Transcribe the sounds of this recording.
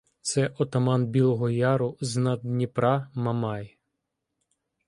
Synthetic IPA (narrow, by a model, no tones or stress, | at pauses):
t̪sɛʔɔt̪ɐmɑnbʲilˠɔɦɔjɑɾʊznɐd̪nʲipɾʔɑmɐmɑj